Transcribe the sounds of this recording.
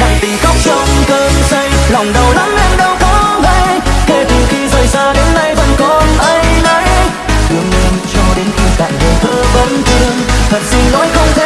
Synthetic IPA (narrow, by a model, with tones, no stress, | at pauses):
ɗaː˨˧˩ŋt̪ï˧˩ŋxa˦˥wk͡p̚t͡ɕə˧wŋ͡mkəː˧msə˧jlɔ˨˩wŋ͡mɗə˨˩wla˨˦mʔɛ˧mɗə˧wkɔ˨˦ɣə˧jke˧˩t̪ɨ˨˩xi˧zə˨˩jzaː˧ɗe˨˦nlə˧˩jvə˨˩nkɔ˧˩nʔə˧jna˧˦j | t̪wi˧˩ənɲi˧ənt͡ɕɔ˧˩ɗe˨˦nki˧ka̰ː˧˨jvɨ̰˨˩t̪ʰɨ˧əvə˨˦nt͡ɕɨ˧əŋt̪ʰə˨˩t̚zï˧ŋ̟no̰˧˥jxə˧wŋ͡mt̪ʰe˧